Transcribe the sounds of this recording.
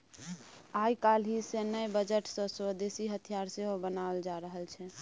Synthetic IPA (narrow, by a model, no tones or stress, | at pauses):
ajkalɦisenəjbəd͡ʒəʈsə̃swəd̪esiɦət̪ʰijaɾseɦobənald͡ʒaɾəɦəlt͡ʃʰɛ